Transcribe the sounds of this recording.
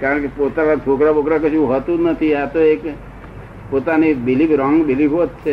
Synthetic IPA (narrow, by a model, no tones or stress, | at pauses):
kaɾəɳkepot̪anat̪ʰokɾabʱokɾakəʃũɦət̪ũnət̪ʰiat̪oek | pot̪anibilibɾɔŋɡbilibot̪t͡ʃʰe